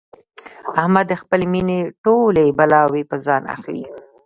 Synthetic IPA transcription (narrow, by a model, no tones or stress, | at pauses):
ahmad̪ːəxpəlemineʈolebalɑwepəzɑna̰xlḭ